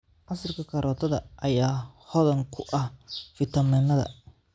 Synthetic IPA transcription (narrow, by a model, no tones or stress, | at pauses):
ʔɐsɪrkʰɐkʰɐɾɔːt̪ʰɐðɐʔɐjaːhɔðɐŋkʰʊʔɐhfɪt̪ʰɐmɪnɐðɐ̰